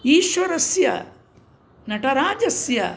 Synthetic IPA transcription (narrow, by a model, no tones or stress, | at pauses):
iːʃʋɐɾɐsjɐ̰ | nɐʈɐɾaːd͡ʒɐsjɐ̰